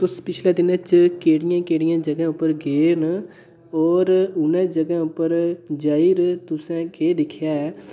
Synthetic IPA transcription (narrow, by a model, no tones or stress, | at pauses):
t̪ʊspɪt͡ʃʰlɛːd̪ɪnə̃t͡ʃkeːɽɪjãːkeːɽɪjãːd͡ʒəɡɛ̃ːʊpːəɾɡeːn | ɔːɾʊnɛ̃ːd͡ʒəɡɛ̃ːʊpːəɾd͡ʒaːiɾt̪ʊsɛ̃ːkeːd̪ɪkʰjaːɛ